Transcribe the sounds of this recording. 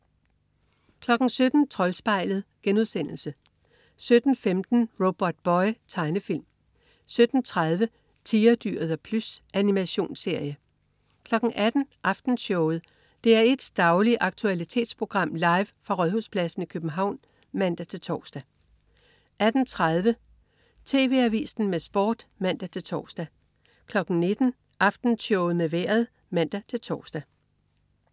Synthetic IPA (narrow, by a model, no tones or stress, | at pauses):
kʰlɒ̽ɡ̥n̩sød̥n̩t͡sʰʁɒ̽lsb̥ɑ̈ɪ̰ləð̞̩ˠɡ̥enuðˠsen̰l̩sə | sød̥n̩femd̥n̩ʁob̥ɒd̥̚b̥ɒɪt͡sʰɑ̈ɪnəfil̰m | sød̥n̩t͡sʰʁað̞ˠʋə | t͡sʰiːɐd̥y̰ɐ̰ð̩ˠɒpʰlusʔænimæɕo̝̰ːnse̝ɐjə | kʰlɒ̽ɡ̥ŋ̩ʔæd̥n̩ʔɑ̈fd̥n̩ɕɔʊð̞̩ˠ | d̥e̝æɐe̝d̥sd̥ɑ̈ʊliʔɑ̈ɡ̥̚t͡sʰuælit͡sʰe̝̰ːd̥spʰʁo̝ɡ̥ʁɑ̈m̰lɑ̈ɪʋfʁɑ̈ʁœðˠhuspʰlæsn̩ikʰøb̥n̩ɦɑ̈ʊ̰n | mæn̰d̥æt͡sʰe̝lt͡sʰɒ̰ːsd̥æ | ʔæd̥n̩t͡sʰʁað̞ˠʋə | t͡sʰe̝̰ːʋe̝̰ːæʋḭːsn̩mesb̥ɒ̰ːd̥mæn̰d̥æt͡sʰe̝lt͡sʰɒ̰ːsd̥æ | kʰlɒ̽ɡ̥n̩ne̝d̥n̩ | ʔɑ̈fd̥n̩ɕɔʊð̩ˠmeʋeɐ̰ð̞̩ˠ | mæn̰d̥æt͡sʰe̝lt͡sʰɒ̰ːsd̥æ